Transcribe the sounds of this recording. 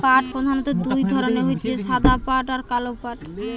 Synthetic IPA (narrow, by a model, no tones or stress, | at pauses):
paʈ̚pɾod̪ʱanot̪ad̪ujd̪ʱɔɾoneɦojt̪ʰieʃad̪ʱapaʈaɾkalopaʈ